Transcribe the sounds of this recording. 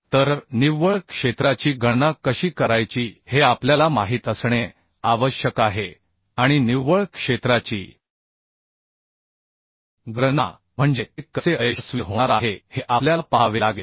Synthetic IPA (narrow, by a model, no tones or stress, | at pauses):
t̪əɾniʋəɭkʂet̪ɾat͡ɕiːɡənakəɕiːkəɾajt͡ɕiːheapljalamaɦiːt̪əsɳ̃e | aʋəɕjəkaɦe | aɽ̃iniʋːəɭkʂet̪ɾat͡ɕḭː | ɡɾəna̰ | m̤əɳd͡ʑekːəseəjəsʋiɦoɳaɾaɦeheʔapljapaʋelaɡe